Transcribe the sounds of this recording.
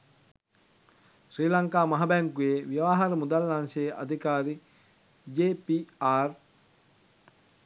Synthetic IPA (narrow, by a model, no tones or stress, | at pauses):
ʃɾiːlaŋkaːmaɦabɛŋkujeʋiʋaːɦaɾəmud̪alːanseːʔa̰d̪ʱikaːɾi | d͡ʒeːpiaːr